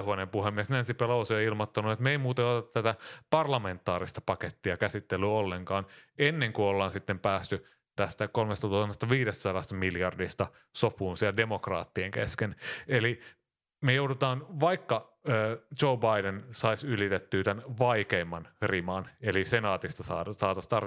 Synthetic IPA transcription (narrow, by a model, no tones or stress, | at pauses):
huɑnempuhemːiesnænsipelousioilmot̪ːɑnuet̪meimuːt̪ɑjotut̪ːæt̪æpɑrlɑmẽ̞nt̪ːˑɑːɾist̪ɑ̥pɑket̪ːiɑkæsit̪ːelːyolːeŋkɑːnenːeŋkuolːɑːnsit̪ːempæːst̪y | t̪æst̪ækolmest̪ɑt̪uɑnːest̪ɑʋiːdest̪sɑɾɑst̪ɑmiljɑrdist̪ɑ | sopuːnsiɛlde̞mokrɑ̰ːt̪ːieŋkḛskeneli | mejoudut̪ɑːnʋɑikːɑ | øːt͡ʃoubɑidensɑisylit̪et̪ːyːt̪ænʋɑikemːɑnrimɑnelisenɑːt̪ist̪ɑsɑːsɑːt̪ɑst̪ɑr